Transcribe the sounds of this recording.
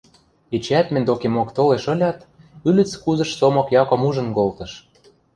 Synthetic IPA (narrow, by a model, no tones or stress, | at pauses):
et͡ɕæt̪mɘ̆nʲd̪okemokt̪oleʃɤ̆lʲɑt̪ | ylʲɘ̆t͡skuzɤ̆ʃsomɤ̆kjɑkŏmuʒɤ̆nkolt̪ɤ̆ʃ